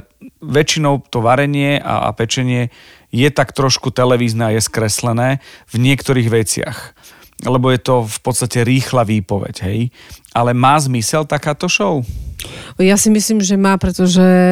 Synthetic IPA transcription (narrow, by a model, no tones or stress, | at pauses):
ʋɛt͡ʃinɔʊt̪ɔʋaɾɛɲɪɛʔa̰pɛt͡ʃɛɲɪɛ | jɛt̪akt̪ɾɔʃkut̪ɛlɛʋiːznɛajɛskɾɛslɛnɛːvɲɪɛkt̪ɔɾiːɣʋɛt͡sɪa̰x | lɛbɔjɛt̪ɔfpɔt̪st̪acɛɾiːxlaʋiːpɔʋɛ̰ɟɦɛj | alɛmaːzmisɛlt̪akaːt̪ɔʃɔʊ | jasimisliːmʒɛmaːpɾɛt̪ɔʒɛ